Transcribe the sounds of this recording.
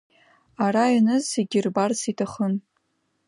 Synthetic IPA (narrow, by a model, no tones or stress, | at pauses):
aɾainɨzeɡʲirbarsitʰaχən